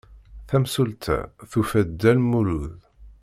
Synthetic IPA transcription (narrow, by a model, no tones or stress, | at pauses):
θæmsult̪ʰæ̰θufæd̪ːælmuluð